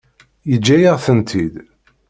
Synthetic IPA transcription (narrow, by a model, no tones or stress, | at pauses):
jəd͡ʒːæjəʁθənt̪ʰid̪